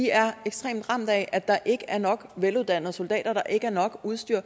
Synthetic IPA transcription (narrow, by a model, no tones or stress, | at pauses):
iæɐeɡ̥sd̥ʁḛːmd̥ʁɑ̈m̰d̥ˠæʔæd̥ɑ̈ʔe̝ɡ̥əʔæɐnɒ̽ɡ̥ʋeluðˠd̥æn̰ð̩ˠso̝ld̥ɛ̰ːd̥ɐd̥ɑ̈ʔe̝ɡ̥əæɐnɒ̽ɡ̥uðˠsd̥yɐ̰